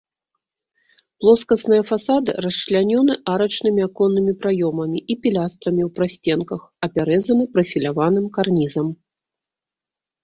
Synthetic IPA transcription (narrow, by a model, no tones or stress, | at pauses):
plˠɔskɐsnɨjɐfasad̪ɨ̰rɐsʂlʲanʲɔnɨʔaɾɐt͡ʂnɨmʲiakɔnːɨmʲipɾajɔmɐmʲiʔipʲilʲast̪ɾɐmʲiwpɾasʲt͡sʲɛnkɐxɐpʲaɾɛzɐnɨpɾɐfʲilʲavanɨmkarnʲizɐm